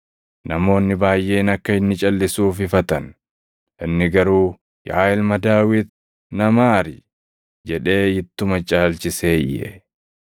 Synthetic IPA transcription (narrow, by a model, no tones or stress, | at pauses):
nɐmo̞ːnːɪbaːjʔe̞ːnɐkːɐɪnːɪt͡ʃʼɐlːɪsuːfɪfɐt̪ɐn | ʔɪnːɪɡɐɾuː | ja̰ːjɪlmɐd̪aːwɪt̪ | nɐmaːɾɪ | d͡ʒɛᶑe̞ːjɪt̪ːʊmɐt͡ʃʼaːlt͡ʃɪseːjɛ̰